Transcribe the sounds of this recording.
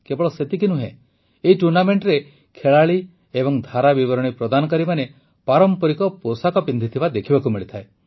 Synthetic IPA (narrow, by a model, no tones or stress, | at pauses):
kebɔɭɔset̪ik̬inuɦḛ̃ | eiʈuɾnameɳʈɾe | kʰeɭaɭi | ebɔŋd̪ʱaɾabiβɔɾɔɽ̃ipɾɔd̪anɔkaɾimane | paɾɔmpɔɾikɔposakɔpind̪ʱit̪ʰibad̪ekʰibakumiɭit̪ʰae